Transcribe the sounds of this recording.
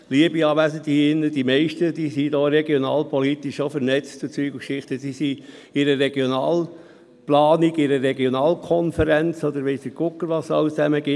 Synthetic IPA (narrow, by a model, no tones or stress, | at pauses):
liəbiɑːʋæsədiɪnːəd̥imɛɪʃtəd̥isid̪ɔːɾɛɡionɑːlpʰɔlit̪iʃofəɾnɛt͡stut͡syːɡəkʃɪχtəsisi | ɪɾəɾɛɡjonɑːl | plɑːniɡɪɾəɾɛɡjonɑːlkʰɔnfəɾænt͡sɔd̪əɾʋɛɪsəkʊkːəɾʋɑsɑ̰ʊt͡sæməɡɪ